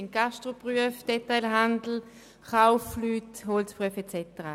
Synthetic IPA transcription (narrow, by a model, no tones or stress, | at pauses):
ɪnɡ̥aʃtʁopʁyəfd̥ɛtaɪlɦandl̩ | χaʊflyːthɔlspʁyəfɛt͡sɛtəʁa̰